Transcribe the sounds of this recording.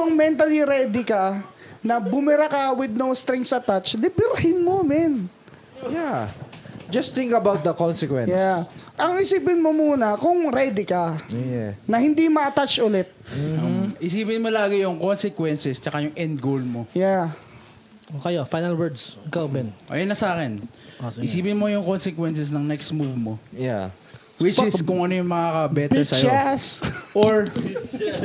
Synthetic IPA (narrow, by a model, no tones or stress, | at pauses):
ʔɐŋmɛnt̪ɐliɾɛd̪ɪkɐnɐbʊmɪɾakɐwɪd̪̚nowst̪ɾɛŋksɐt̪at͡ʃlɪbɪɾhɪnmomɛn | ja | d͡ʒɐst̪ɪ̃ŋkɐbawt̪̚d̪ɐkonsɛkwɛ̰̃jnaʔɐŋɪsiːpɪnmomuːnɐkʊŋɾɛd̪ɪkɐ | nɐhɪnd̪imɐɐt̪at͡ʃʔʊlɛt̪̚ | ʔɪsiːpɪnmolaːɡɪjʊŋkonsɛkwɛnsɛst͡ʃɐkajʊŋʔɛnd̪̚ɡowlmoja | okɐjofajnɐlwɛɹd̪skawbɛnʔɐ̰jɐnːɐsaːkɛn | ɪsiːpɪnmojʊŋkonsɛkwɛnsɛsnɐŋnɛkst̪muvmoja | wɪt͡ʃɪskʊŋʔɐnojʊŋmɐkaːkɐbɛt̪ɛɹsɐjoɛsʔoɹ